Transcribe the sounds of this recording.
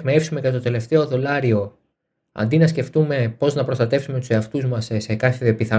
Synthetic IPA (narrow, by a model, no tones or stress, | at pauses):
mɐefsume̞kɐt̪ot̪e̞le̞ft̪e̞o̞ðo̞lɐɾio̞ | ɐ̰nd̪inɐsce̞ft̪ume̞po̞znɐpɾost̪ɐt̪e̞fsume̞t̪u̥se̞ɐft̪uzmɐssekɐθeðiɐpiθɐ